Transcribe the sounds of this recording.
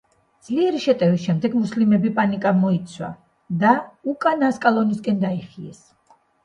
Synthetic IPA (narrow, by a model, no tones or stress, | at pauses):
d̪z̥liɛɾiʃɛt̪ʼɛvisʃɛmd̪ɛɡmuslimɛbipʼanikʼamɔit̪sʰwa̰ | d̪aukʼanaskʼalˠɔniskʼɛnd̪aiχiɛs